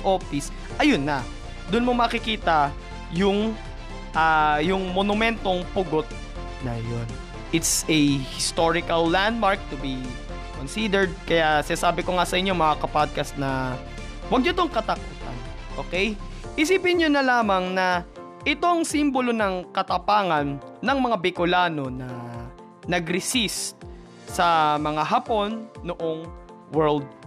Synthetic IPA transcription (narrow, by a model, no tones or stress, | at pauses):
ʔo̞fɪs | ʔɐjʊnːɐ | d̪ʊnmomɐkɪkiːt̪ɐ | jʊŋ | ʔaːjʊŋmonʊmɛnt̪o̞ŋpʊɡo̞t̪̚ | nɐ̰jon | ʔɪt̪sɛhɪst̪oɹɪkɐlːand̪̚maɹk̚t̪ʊbi | konsid̪ɛɹd̪̚kɐjasɪnasaːbɪkoŋasɐʔɪɲɲo̞mɐkakɐpad̪̚kɐst̪̚nɐ | wɐɡ̚ɲot̪oŋkɐt̪ɐkuːt̪ɐ̰n | ʔo̞ːkɛjʔɪsiːpɪnɲonɐlaːmɐŋnɐ | ʔɪt̪o̞ŋsimbolo̞nɐŋkɐt̪ɐpaːŋɐnːɐŋmɐŋabɪkʊlaːno̞nɐ | nɐɡɾɪsist̪̚ | sɐmɐŋaɦapo̞nːoʔo̞ŋ | wɛɹld̪̚